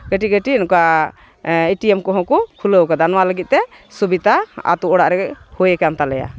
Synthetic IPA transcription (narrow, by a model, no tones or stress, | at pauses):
ɡəʈiɡəʈinuka | iʈiɛmkɔɦɔ̃kukʰuləwkad̪anwaləɡit̪̚t̪ɛsubit̪aa̰t̪uɔɽaʔɾɛɡɛʔhujɛkant̪alɛja̰